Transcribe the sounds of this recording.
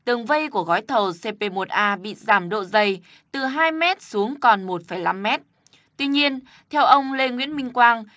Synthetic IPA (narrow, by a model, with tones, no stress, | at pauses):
t̪ɨ˨˩əŋvə˧jku˧˩əɣɔ˨˦jt̪ʰə˨˩wse˧pe˧mo˨˩t̚ʔaː˧ɓḭ˧˨zaː˧˩mɗo̰˧˨zə˧˩j | t̪ɨ˨˩ɦaː˧jmɛ˦˥t̚su˨˦əŋkɔ˨˩nmo˨˩t̚fəː˧˩jla˧mːɛ˦˥t̚ | t̪wi˧ɲi˧ən | t̪ʰɛ˧wʔə˧wŋ͡mle˧ŋwḭ˧˥ənmï˧ŋ̟kwaː˧ŋ